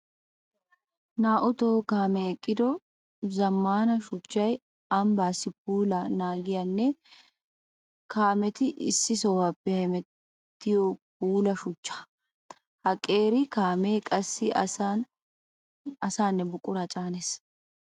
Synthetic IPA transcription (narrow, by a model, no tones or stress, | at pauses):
naːʔʊt̪oːkaːmɛɛkʼːɪd̪ɔ | zɐmːaːnɐʃʊt͡ʃːɐj | ɐmbaːsɪp̚uːlɐnaːɡɪjɐnːɛ | kaːmɛt̪ɪʔɪ̰sːɪsɔwɐpːɛhɛmɛ | t̪ːɪjɔp̚uːlɐʃʊt͡ʃːḁ | hɐkʼːe̞ːɾɪkaːmeːkʼɐsːɪ | ɐsaːnːɛbʊkʼːʊɾɐt͡ʃʼaːnes